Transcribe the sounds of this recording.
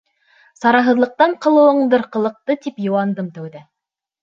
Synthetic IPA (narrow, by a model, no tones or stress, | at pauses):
sɑɾɑɦɤ̆ðlˠɤ̆q̚t̪ɑɴqɤ̆lˠɤ̆wɤ̆ɴd̪ɤɾqɤ̆lˠɤ̆q̚t̪ɤt̪ipjŭwɑnd̪ɤmt̪æwðɘ